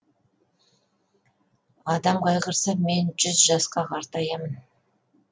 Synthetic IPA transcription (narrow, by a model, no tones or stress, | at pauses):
ɑd̪ɑmqɑjʁəɾsɑme̞nʒʏzʒɑsqɑqʰɑɾt̪ɑjɑmən